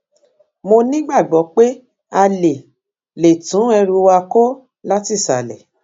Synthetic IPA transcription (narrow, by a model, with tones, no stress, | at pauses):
mo˧nĩ˦ɡ͡ba˦˨ɡ͡bɔ˨˦k͡pe˦ | a˧le˨ | le˨tũ˨˦ɛ˧ɾu˧wa˧ko˦ | la˦ti˦˨sa˨lɛ̰˨